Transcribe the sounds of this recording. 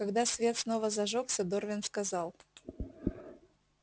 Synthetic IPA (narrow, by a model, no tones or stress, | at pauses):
kɐɡd̪asvʲe̞t̪sno̞vəzɐʐoksʲəd̪orvʲɪnskɐzɑlˠ